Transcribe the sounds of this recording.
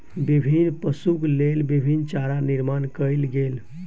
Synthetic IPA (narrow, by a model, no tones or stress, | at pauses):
bibʱinpəsuklelbibʱint͡ʃaɾaniɾmankəjlɡel